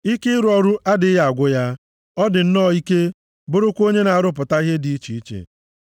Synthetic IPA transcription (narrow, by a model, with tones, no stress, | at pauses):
i˦kɪ˦ɾʊ˨˦ɔ˨ɾʊ˦ʔa˦dɪ˨ɪ˦ja˨ɡʷʊ˦ja˦ | ɔ˦dɪ˨n̩˦nɔ˦˨i˦ke˦ | bʊ˦ɾʊ˦kʷo˦ɲe˦na˨a˨ɾʊ˦p̬ʊ˨ta˦i˦ɦe˦di˨i˦t͡ʃi˨i˦t͡ʃḛ˨